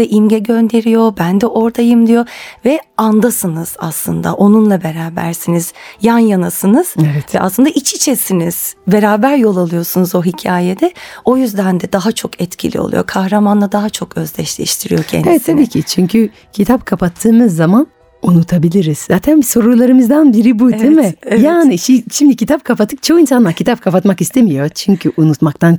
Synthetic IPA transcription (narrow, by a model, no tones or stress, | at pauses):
ɛʔimɟɛɟø̞nd̪e̞ɾijo̞bænd̪ɛʔo̞ɾt̪ʰajɯmd̪ijo̞vɛand̪asɯnɯz̥a̰slˠɯ̰nd̪a̰ʔo̞nunlˠabe̞ɾaːbæ̰ɾsiniz̥janjanasɯnɯz̥evɛt̪vɛʔa̰slˠɯnd̪aʔit͡ʃʰit͡ʃʰesiniz̥be̞ɾaːbæɾjo̞lˠalˠɯjo̞sunuzo̞ɦicʰaːjed̪ɛo̞jyzd̪ænd̪ɛd̪aɦat͡ʃʰo̞kʰɛt̪cʰḭlʲḭo̞̰lˠṵjo̰kʰahɾamanlˠad̪aɦat͡ʃʰokø̞zlʲɛ̰ʃlʲɛ̰ʃt̪ʰiɾḭjo̞cʰɛ̰nevɛt̪t̪ʰːabiːcʰit͡ʃʰyɲcʰy | cʰit̪ʰapkʰapʰat̪ʰːɯːmɯzːaman | unut̪ʰabilʲiɾiz̥zaːt̪ʰænso̞ɾulˠaɾɯmɯzd̪anbiɾibudimɪjaːniʃiʃimd̪icʰit̪ʰap̚kʰapat̪ʰɯk̚t͡ʃʰokinsanlˠaɾcʰit̪ʰap̚kʰapat̪makist̪ʰemijo̞t͡ʃʰyɲcʰyʔunut̪mak̚t̪ʰan